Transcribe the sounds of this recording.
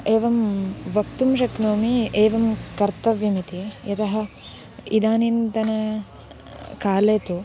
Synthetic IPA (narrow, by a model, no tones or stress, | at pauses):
eːʋɐmʋɐkt̪umʃɐknoːmieːʋɐmkɐɾt̪ɐʋjɐmit̪ijɐt̪ɐɦɐ̆ | id̪aːnint̪ɐnɐ | kaːleːt̪u